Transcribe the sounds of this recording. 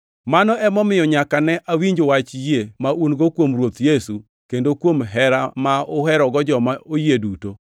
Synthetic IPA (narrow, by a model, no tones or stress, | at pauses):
manɔʔɛmɔmɪjɔɲakanɛʔawiɲd͡ʒowat͡ʃjemaunɡokwomrwot̪jesu | kendokwomɦɛɾamaʊɦɛɾɔɡɔd͡ʒɔmaojeduto